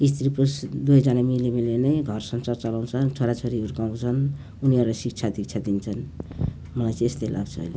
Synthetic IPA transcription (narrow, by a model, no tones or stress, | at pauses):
ist̪ɾipusd̪ujd͡zʌnamilemilenʌjɡʱʌrsʌnsart͡sʌlaw̃t͡sʰʌt͡sʰoɾat͡sʰoɾioɾukaw̃t͡sʰʌn | uniʌɾlasik̚t͡sʰad̪ik̚t͡sʰad̪int͡sʰʌn | mʌlajt͡sest̪ʌlʔa̰ɡt͡sʰʌ̰ːjle